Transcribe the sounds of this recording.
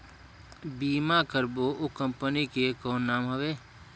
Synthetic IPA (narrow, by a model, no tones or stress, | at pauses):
biːmakəɾboʔokə̃mpənikekɔːnːaːmɦəʋeː